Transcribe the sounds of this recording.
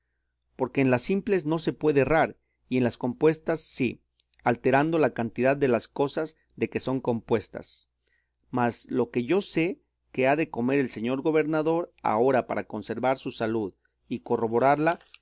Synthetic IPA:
po̞ɾke̞ːnlasimple̞zno̞se̞pwe̞ðeːraɾ | ie̞nlasko̞mpwe̞st̪asːi | alt̪e̞ɾand̪o̞lakant̪iðaðːe̞lasko̞saz | ðe̞ke̞so̞ŋko̞mpwe̞st̪a̰s | mazlo̞ke̞ʝo̞se̞ | keaðe̞ko̞me̞ɾe̞lse̞ɲo̞ɾɣo̞βe̞ɾnaðo̞ɾa̰o̞ɾapa̰ɾako̞nse̞ɾβaɾsusaluð | iko̞ro̞βo̞ɾaɾla

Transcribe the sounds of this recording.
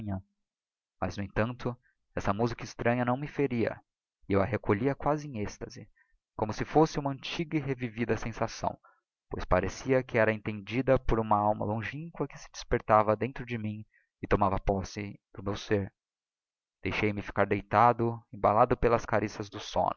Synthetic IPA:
ɲɐ̃ | mɐznʊẽt̪ɐ̃nt̪ʊ | ɛsɐmuzikɐɪst̪ɾɐ̃ɲɐnɐ̃w̃mɪfeɾiɐ̰ | ɪewɐɦekoʎiɐkwazɪẽŋ̃est̪ɐzɪ | kõmʊsɪfosɪũmɐɐ̃nt͡ʃiɡɐɪɦevivid̪ɐsẽsasɐ̰̃w̃ | po̰jspaɾesiɐkɪɛɾɐẽnt̪ẽnd͡ʒid̪ɐpoɾũmɐawmɐ̰lõʒĩŋkwɐkɪ̥sɪd͡ʒɪspeɾt̪avɐd̪ẽnt̪ɾʊd͡ʒɪmĩ | ɪt̪omavɐpɔsɪd̪̥ʊmewseɾ | d̪̥ejʃejmɪfi̥kaɾd̪ejt̪ad̪ʊẽbalad̪ʊpelɐskaɾisɐzd̪ʊsõ̰nʊ

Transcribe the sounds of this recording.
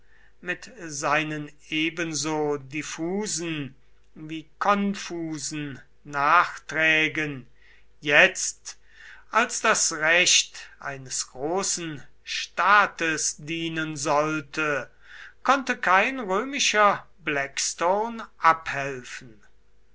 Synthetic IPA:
mɪtzaɪnən | eːbənzoːdifuːzn̩ | viːkʰɔnfuːzn̩ | naːχtʁ̥ɛːɡən | jɛt͡st | ʔalsd̥asʁɛʃtʔa̰ɪnəsɡ̥ʁoːsn̩ʃtaːtəsdiːnənzɔltʰə | kʰɔntəkʰaɪnʁøːmɪʃɐ | blɛkstoʊnʔaphɛlfn̩

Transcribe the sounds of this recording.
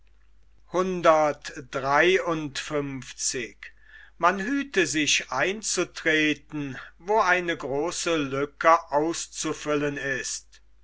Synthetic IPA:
hʊndɐtd̥ʁaɪʊntfʏmft͡sɪk | manɦyːtəzɪʃʔaɪnt͡sutʁ̥eːtn̩voːaɪnəɡʁoːsəlʏkəʔaʊst͡sufʏlənɪst

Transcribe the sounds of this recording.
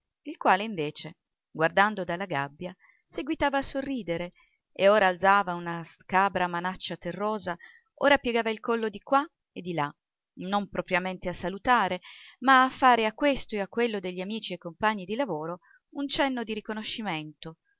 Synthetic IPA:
ilkwaːleiɱveːt͡ʃe | ɡward̪and̪od̪alːaɡa̰bːja | seɡwit̪aːvaːsːorːiːd̪eɾe | ḛoːɾaːlzaːvaunaskaːbɾamanat͡ʃːat̪erːoːza | o̰ːɾapjeɡaːvailkolːod̪ikwa | ed̪ːila | nompɾʔɔpɾjament̪easːalut̪aːɾemaːfːaːɾeakːwest̪oeakːwelːod̪eʎːiamiːt͡ʃiekːompaɲːid̪ilavoːɾo | unt͡ʃɛnːod̪iɾikonoʃːiment̪o

